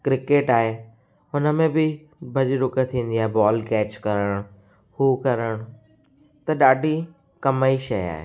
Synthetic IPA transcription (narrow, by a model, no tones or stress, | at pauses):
kɾɪkeːʈaːɦe | ʊnə̆mẽbɪ | bɐʄɾʊkət̪ʰĩːn̆d̪iaːɦebɔːlkɛːt͡ɕkɐɾəɽ̃ | hukɐɾəɽ̃ | t̪ɐɗaːɖʱi | kɐmaiʃɐja̰ːɦḛː